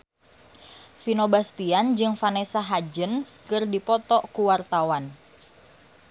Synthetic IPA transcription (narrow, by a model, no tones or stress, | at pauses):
finobast̪iand͡ʒɨŋfanɛsaɦad͡ʒənskɨrdipɔt̪ɔʔkuwart̪awan